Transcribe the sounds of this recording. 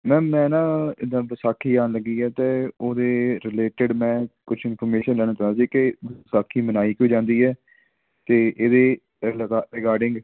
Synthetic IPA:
mɛ̃ːmɛ̃ːnãːɪd̪ãːʋəsaːkʰiːaːnləɡːiːɛːt̪eːoːd̪eːɾɪleːʈɪɖmɛ̃ːkʊt͡ʃʰɪnpʰɔɾmeːʃənlɛːɽ̃aːt͡ʃəaːsiːkɪʋsaːkʰiːmənaːiːkoːd͡ʒãːnd̪iːɛː | t̪eːʔeːd̪eː | lɡaɾɪkaːɾɖɪ̃ŋɡ

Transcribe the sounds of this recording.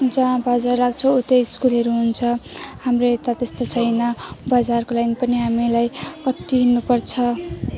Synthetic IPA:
d͡zãbʌd͡zarːaɡt͡sʰʌut̪eskulɦʌɾuɦunt͡sʰʌhamret̪at̪est̪ot͡sʰʌjnʌbʌd͡zarkolanipʌniɦamilajkʌʈːinupʌrt͡sʰʌ

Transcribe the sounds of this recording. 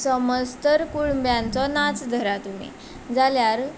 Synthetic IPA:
səməd͡zt̪əɾkuɭmbjãnt͡sɔnat͡sd̪ʱəɾat̪umḭ | d͡zaljaɾ

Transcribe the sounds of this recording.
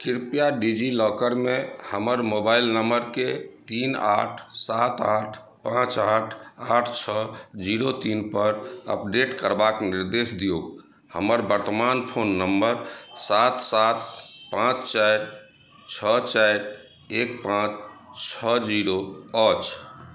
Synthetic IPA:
kiɾpijaɖid͡ʒilɔkəɾmehəməɾmobailnəmbəɾket̪ina̰ʈʰsat̪aʈʰ | pãt͡ʃaʈʰaʈʰt͡ʃʰəd͡ʒiɾot̪inpəɾə̰pɖeʈkəɾbakniɾd̪esd̪ijoɡ | hə̰məɾbəɾt̪əmanpʰonːəmbəɾsat̪sat̪̚pãt͡ʃt͡ʃaɾ | t͡ʃʰət͡ʃajɾ | ek̚pãt͡ʃt͡ʃʰəd͡ʒiɾoət͡ʃʰ

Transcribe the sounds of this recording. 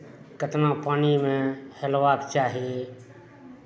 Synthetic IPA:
kət̪nãːpaːniːmẽːhelʋaːkt͡ʃaːɦeː

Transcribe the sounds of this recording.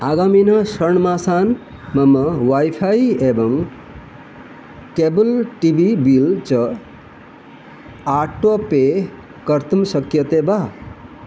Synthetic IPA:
aɡaminʌsʌɳmasan | mʌmʌwajpʰajebʌŋ | kebulʈibʱibilt͡sʌ | aʈːope | kʌɾt̪ʰumsʌkjʌt̪eba

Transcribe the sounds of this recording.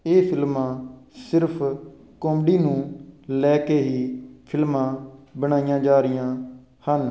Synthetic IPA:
eːpʰɪlmãːsɪɾpʰ | kɔːmɖiːnũːlɛːkeːɦiːpʰɪlmãːbəɽ̃aːijãːd͡ʒaːɾɪjãː | hən

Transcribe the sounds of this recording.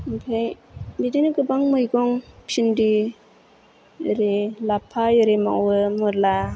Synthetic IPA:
bʰajbidinɯɡɯbaŋmɯjɡɔŋpʰindi | ɾelapʰajɯɾema̰wɯmɔɾla

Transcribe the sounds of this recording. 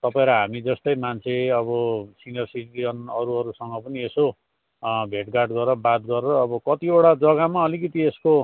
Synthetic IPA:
t̪ʌpaẽɾʌɦamid͡zʌst̪ʌjmant͡sʰeʌβʌsinijʌrsiʈiʌnʌɾuʌɾusʌŋɡʌpʌnieso | bʱeʈɡaʈɡʌɾʌbat̪ɡʌɾeɾʌːbʌkʌt̪ioɽad͡zʌɡamaʌlikʌt̪iesko

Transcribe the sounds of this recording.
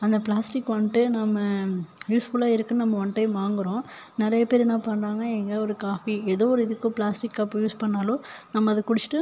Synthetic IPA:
ɐnd̪ɐpɭaːsʈɪkːʋɐɳʈɯnamɐjuːsfʊlaːɪɾɯkːɯnnɐmːɐʋɐɳʈːɐɪmaːŋɡɯɾõː | nɪɾɐjɐpeːɾɛnãːpɐnɾaːŋɡɐɛŋɡɐɔɾɯkaːfiɛðoːɔɾɯɪðɯkːʊ̃pɭaːsʈɪkːɐpːjuːspɐɳːaːlõːnɐmːɐɐðɯkʊɽɪt͡ʃːɪ̥ʈːɯ

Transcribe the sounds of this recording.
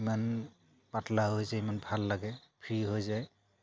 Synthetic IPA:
iman | patlaɦojzaimanbʱalːaɡɛpʰɹiɦojzaj

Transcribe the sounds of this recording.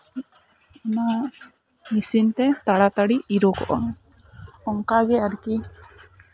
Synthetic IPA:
ɔna | nisint̪et̪aɽat̪aɽiiɾokɔ̰ʔɔ̰ŋ | ɔŋkaɡeaɾiki

